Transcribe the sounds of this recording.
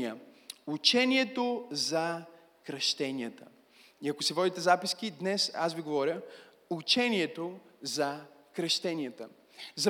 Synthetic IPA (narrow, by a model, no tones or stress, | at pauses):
ə | ut͡ʃɛniɛt̪ozɐ | kɾɐʃt̪ɛniət̪ə̰ | iɐkosivɔd̪it̪ɛzapiskid̪nɛsa̰sviɡovɔɾʲə | ut͡ʃɛniɛt̪ozɐkɾɐʃt̪ɛniət̪ə | zɐ